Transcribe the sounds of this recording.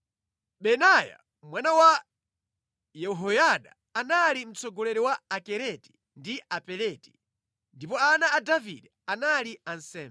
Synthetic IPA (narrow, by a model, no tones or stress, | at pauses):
ɓɛnaja̰ | mwanawa | jɛɦɔjaɗaːnalim̩t͡sɔɡɔlɛɾɛwaakɛɾɛti̥ | ndiʔapɛlɛti̥ | ndipɔanaːdavḭɗɛ | analiansɛːmbɛ